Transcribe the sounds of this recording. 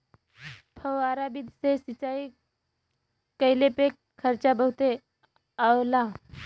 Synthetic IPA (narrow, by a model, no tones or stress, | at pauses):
pʰəwaːɾabid̪ʱsesɪt͡ʃaːi | kəɪlepek | kʰəɾt͡ʃabəɦut̪e | awla